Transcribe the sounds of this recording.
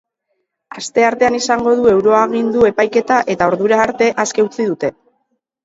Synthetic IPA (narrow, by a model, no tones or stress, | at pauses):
ast̪e̞aɾt̪e̞anisaŋɡo̞ðue̞wɾo̞aɣind̪ue̞pajke̞t̪aʔe̞t̪ao̞ɾðuɾaːɾt̪e̞ʔaske̞ut͡siðut̪e̞